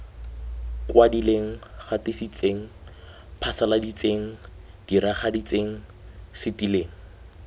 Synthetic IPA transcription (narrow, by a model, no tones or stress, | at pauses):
kwadileŋ̩χatɪsit͡seŋ̩ | pʰasaladit͡seŋ̩ | d̥iɾaχadit͡seŋ̩sɪtileːŋ̩